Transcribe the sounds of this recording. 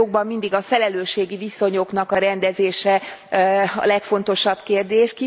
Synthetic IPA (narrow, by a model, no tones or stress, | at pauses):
oɡ̚bɒmːind̪iɡɒfɛlɛløːʃeːɡiviso̞ɲo̞knɒkɒɾɛnd̪ɛzeːʃɛ | ɒ̰lɛkfo̞nt̪o̞ʃɒbkeːrd̪eːʃki